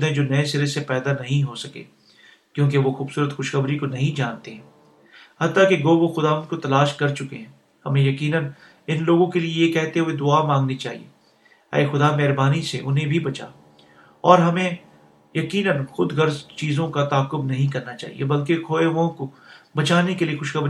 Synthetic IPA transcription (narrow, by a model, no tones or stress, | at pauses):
d̪ɦẽd͡ʒoːnɐẽsɪɾesepɛːd̪anɐɦĩɦosɐkḛː | kjõːk̬eʋoxuːbsuːɾət̪xʊʃxəbɾikonɐɦĩd͡ʒaːnt̪eɦɛ̃ː | hɐt̪ːakeɡoːʋoxʊd̪aːʋə̃nd̪̚kot̪ɐlaːʃkɐɾt͡ʃʊkeɦɛ̃ː | hɐmẽjɐkiːnən | ɪnloːɡõkeliejekɛːɦt̪eɦɛ̃ʋed̪ʊamãːŋɡnit͡ʃaːɦḭḛ | ɛ̰ːxʊd̪amɛɦɾbaːniseʔʊnɦẽbʱibɐt͡ʃa̰ː | ɔːɾɦɐmẽ | jɐkiːnənxʊd̪ɡɐɾzt͡ʃiːzõkat̪aːkːʊbnɐɦĩk̬ɐɾnat͡ʃa̰ːɦḭḛbɐlk̬ekʰoːeʋõkobɐt͡ʃaːnekeliexʊʃxəbɾ